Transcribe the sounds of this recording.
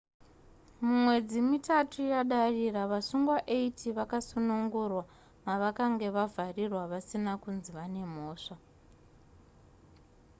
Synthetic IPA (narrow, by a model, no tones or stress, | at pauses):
mumwe̞d͡zimitatujaɗariraʋasuŋɡwaʔeitiʋakasunuŋɡurwa | maʋakaŋɡe̞ʋavʱarirwaʋasinakunziʋane̞mo̞ːʂa